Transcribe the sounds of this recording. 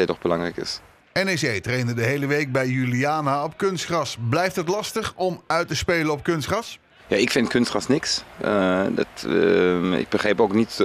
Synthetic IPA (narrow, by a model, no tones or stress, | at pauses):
ɛtɔχb̥əlɑŋrɛjkɪ̰s | ɛnesejtrejndədəɦejləʋejk̚bɛjːyliaːnaɔp̚kɵnstχrɑsblɛjftɦətlɑstəχɔmœɥtəspejləɔp̚kɵnstχrɑs | ja̰ːɪkfɪntkɵnstχɑsnɪksədt | ɪ̰k̚b̥əχrejpowknit